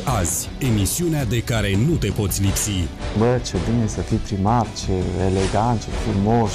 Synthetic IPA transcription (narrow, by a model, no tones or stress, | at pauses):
azʲ | e̞misiunead̪e̞kaɾe̞nut̪e̞po̞t̪sʲlipsibət͡ʃebinesəfijpɾimart͡ʃeeleɡant̪̚t͡ʃefumos